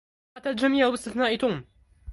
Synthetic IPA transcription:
ʔat̪ːald͡ʒamiːʕwbɪst̪ɪθnaːʔɪt̪um

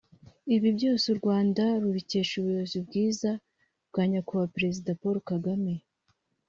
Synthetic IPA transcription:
iβibɟo̞ːsuɾɡwaːndaɾuβice̞ːʃuβujozibɡiːza | bɡaːɲakuβapɾe̞zidapoɾokaɡame̞

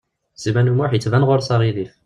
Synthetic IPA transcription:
zimænumʊħjət͡sːvænʁʊɾsɑɾˤiðif

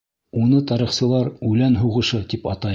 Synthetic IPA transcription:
unɤt̪ɑɾiχsɤ̆lˠɑɾʉlænɦuʁɤ̆ʃɤt̪ipɑt̪ɑ

